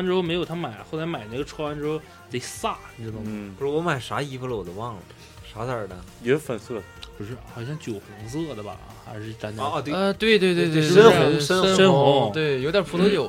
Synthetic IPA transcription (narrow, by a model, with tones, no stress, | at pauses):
nʈ͡ʂɻ̩˥xʊm˧˥jo˨˩ʊt̪ʰa˥ma˨˩ɪ˦xo˥˩ʊla˧˥ɪma˨˩ɪna˥˩ɡə˩ʈ͡ʂʰwɔ˥˧˥a˥nʈ͡ʂɻ̩˧˥xo˥˧ʊ | t͡se˧˩sa˥˩˧d̪ʊ˧˥ŋ˨u˧˩wɔ˥˩wɔ˧˥ma˨˩ɪʂa˧˥i˧˥fu˧˥lə˧wɔ˨˩d̪ə˦wɑ˥˩ŋlə˩ | ʂa˧˥də˞˨˩nə˩jɛ˧˥fə˨˩nsɤ˥˩ | pu˨˩ʂɻ̩˥˩xɑ˨˩ʊɕ̬jɑ˥˩ŋt͡ɕjo˨˩ʊxʊ˧˥ŋs̬ɤ˥˩d̪ə˩bɐ̰˨˩˧xa˧˥ɪʂɻ̩˥˩˧ʈ͡ʂa˧˥nt͡ɕ̪t̪we˥˧ɪt̪we˥˧ɪt̪we˥˧t̪ə˥nʊ˧˥ʂə˥nə˥nə˥xʊ˥˧˥ŋt̪we˥˩ɪjo˧˥ʊd̪jə˞˨˩pʰu˧˥t̪ʰɤ˧˥t͡ɕjo˨˩˦